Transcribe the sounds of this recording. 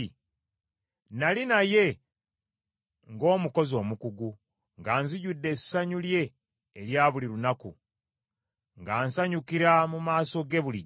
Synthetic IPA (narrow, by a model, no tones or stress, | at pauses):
nalinaje̞ | ŋɡo̞ːmuko̞zo̞ːmukuɡu | ŋɡaːnziɟudːe̞sːaɲulje̞ː | ɾjaːβuliɾunakṵ | ŋɡaːnsaɲukiɾamumaːso̞ɡe̞βuli